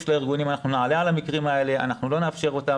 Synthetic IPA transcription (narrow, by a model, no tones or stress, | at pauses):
ʃlaiʁɡunimanaχnunaʕale̞alamikʁimae̞le̞a̰naχnulo̞neafʃe̞ʁo̞t̪a